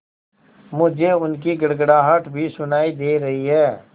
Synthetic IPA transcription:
mʊd͡ʒʱeʊnk̬iɡɐɽɡɽaːɦəʈʰbʱisʊnaːid̪eːɾɐɦiɦɛː

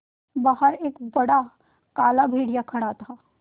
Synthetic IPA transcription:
baːɦəɾeːkbɐɽa | kaːlabʱeːɽijakʰɐɽat̪ʰaː

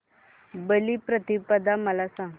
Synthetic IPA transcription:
bəliːpɾət̪ipəd̪aməlasãŋɡ

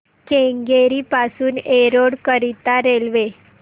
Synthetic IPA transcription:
keŋɡeɾipasuːneɾoɽkəɾit̪aɾelʋe

